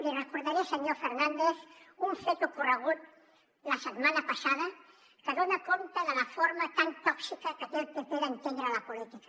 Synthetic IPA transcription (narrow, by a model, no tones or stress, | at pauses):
lirəkuɾðaɾeaseɲofeɾnãnd̪eθuɱfet̪ukurəɣ̞ut̪̚ | lasət̪manapasað̞a | kəðonakont̪aðəlafoɾmat̪ant̪ɔksikakət̪elpepeðant̪end̪ɾalapolit̪ikḁ